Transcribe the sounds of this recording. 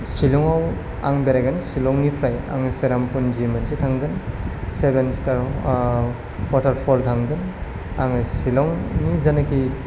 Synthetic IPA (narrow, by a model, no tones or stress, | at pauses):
silɔŋaw | a̰ŋbeɾajɡɯnsilɔŋnipʰɾaja̰ŋɯseɾampund͡ʒimansitʰaŋɡɯnsebenstaɾ | katʰaɾpʰɔltʰaŋɡɯn | aŋɯsilɔŋnizanakʰi